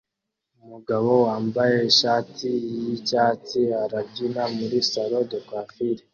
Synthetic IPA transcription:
umuɡaβo̞waːmbaje̞ʃaːtijicaːtiaɾabɟinamuɾisaɾo̞dokwaːfiɾe

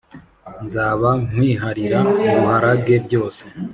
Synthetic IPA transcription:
nzaːβaŋ̥wiːɦaɾiɾauuhaɾaɡe̞bɟo̞ːse̥

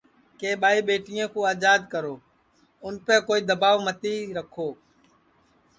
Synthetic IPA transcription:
keːɓaːiːɓeːʈɪjãːkõːaːd͡ʒaːd̪kəɾoː | ʊnpɛ̃ːkoːiːd̪əbaːʋmət̪iːɾəkʰoː

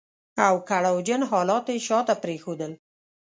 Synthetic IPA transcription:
awkaɽawd͡ʒənɦɑlɑt̪eʃɑt̪apɾexod̪əl

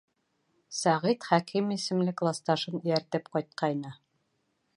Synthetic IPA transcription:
sæʁit̪χækimisɘ̆mlɘklˠɑst̪ɑʃɤn̆jæɾt̪ɘpqɒjt̪̚qʰɑjnɤ

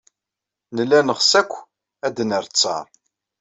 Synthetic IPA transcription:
nəlːænəʁsækʷː | æd̪nəɾt͡sːɑ̰ɾˤ

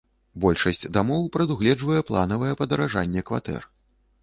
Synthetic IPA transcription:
bɔlʲʂɐsʲt͡sʲd̪amɔwpɾɐd̪uɣlʲɛd͡ʐvɐjɛplˠan̪ɐvɐjɛpɐd̪ɐɾaʐanʲːɛkva̰t̪ɛ̰r

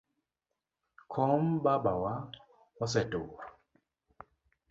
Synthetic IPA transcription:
kʰɔmbabawa | was̬ɛtuːɾa

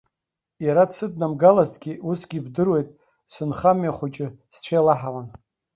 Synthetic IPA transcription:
jaɾadsɨdnamɡalaztʰʼɡʲiusɡʲibdɨrwe̞jtʼ | sɨnχamjaχʷʊt͡ʃʼɪst͡ʃʷʰejlaħawan

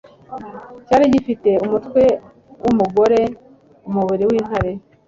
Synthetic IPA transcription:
caːɾiɟifite̞umutwe̞ | wʔumuɡo̞ɾe̞ | umuβiɾiwiːn̥haɾe̞

